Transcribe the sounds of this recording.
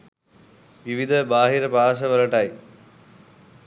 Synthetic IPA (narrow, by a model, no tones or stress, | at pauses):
ʋiʋid̪ʱəbaːɦiɾəpaːs̬əʋɐlɐʈɐj